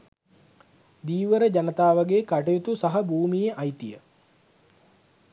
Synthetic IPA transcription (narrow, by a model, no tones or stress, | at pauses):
d̪iːʋəɾəd͡ʒanət̪aːʋaɡeːkaʈejot̪usaɦɐbʱuːmijeʔɐjt̪ijə